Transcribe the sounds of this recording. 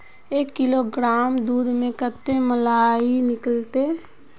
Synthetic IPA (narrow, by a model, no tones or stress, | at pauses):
eːkːɪloɡɾaːmd̪uːd̪mẽkət̪ːeməlaːinɪkəlt̪e